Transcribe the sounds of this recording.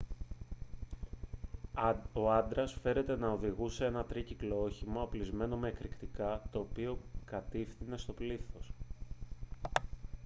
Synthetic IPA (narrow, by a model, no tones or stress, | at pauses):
oɐd̪ɾɐsfe̞ɾe̞t̪e̞nɐo̞ðiɣusee̞nɐt̪ɾiciklooçimɐːplizme̞no̞me̞ːkɾikt̪ikɐt̪o̞ːpio̞kɐt̪ifθine̞st̪o̞pliθo̞s